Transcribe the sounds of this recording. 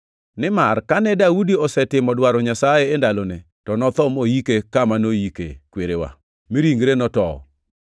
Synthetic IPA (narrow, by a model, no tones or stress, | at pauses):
nɪmarkanɛdaudiɔsɛtɪmɔdwaɾɔɲasajeːndalonɛ | tɔnɔt̪ɔmojikekamanojikḛkweɾewa̰ | miɾiŋɡɾenɔtɔɔ̰